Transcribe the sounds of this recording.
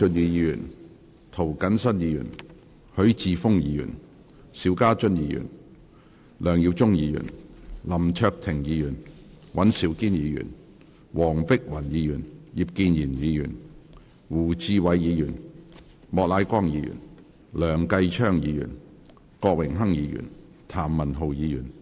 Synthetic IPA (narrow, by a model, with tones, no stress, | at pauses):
ɵ˧njiː˨˧jiː˨˧jyː˨˩n | t̪ʰo˨˩wkɐ˨˥nsɐ˥njiː˨˧jy̰ː˨˩n | hɵ˨˥ɥt͡siː˧fʊ˥ŋjiː˨˧jy̰˨˩n | siː˨˥wkaː˥t͡ʃɵ˥njiː˨˧jy̰˨˩n | lœː˨˩ŋji˧wt͡sʊ˥ŋjiː˨˧jy̰˨˩nlɐ˨˩mt͡ʃʰœː˧k̚t̪ʰɪ˨˩ŋjiː˨˧jyː˨˩n | wɐ˨˥nsiː˨˧˥wkiː˥njiː˨˧jy̰ː˨˩n | wɔː˨˩ŋpɪ˥k̚wɐ˨˩njiː˨˧jyː˨˩nji˨p̚kiː˧njiː˨˩njiː˨˧jy̰ː˨˩n | wuː˨˩t͡siː˧wɐ˨˧jːiː˨˧jyː˨˩n | mɔː˨˧k̚laː˨˧jkʷɔː˥ŋjiː˨˧jy̰˨˩n | lœː˨˩ŋkɐ˧jt͡ʃʰœː˥ŋjiː˨˧jy̰˨˩n | kɔː˧k̚wɪ˨˩ŋɦɐ˥ŋjiː˨˧jy̰ː˨˩n | t̪ʰaː˨˩mːɐ˨˩nɦo˨˧wjiː˨˧jyː˨˩n